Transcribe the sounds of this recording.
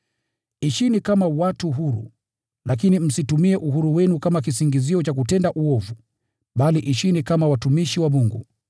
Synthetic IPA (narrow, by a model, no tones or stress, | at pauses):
iʃinikamawatuɦuɾṵ | lak̬inim̩situmiɛʔuɦuɾuwɛnukamak̬isiŋɡiziɔt͡ʃak̬utɛndaʔuɔvu | ɓaliʔiʃinikamawatumiʃiwaɓuŋɡṵ